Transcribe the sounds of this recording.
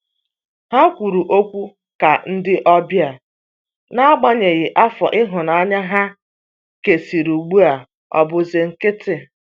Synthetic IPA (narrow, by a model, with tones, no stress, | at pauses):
ha˦kʷu˨ɾu˨ʔo˦kʷu˦ | ka˨n̩˦dɪ˦ʔɔ˦bja˨ | na˦a˦ɡ͡ba˦ɲe˨ɣɪ˨ʔa˦fɔ̰˨ʔɪ˦ɦʊ˨na˨˦ɲa˦ɦa˦ | ke˨si˨ɾu˨ɡ͡bu˦a˨ | ɔ̰˨bʊ˨zɪ˨ŋ̩˨kɪ˦tɪ˨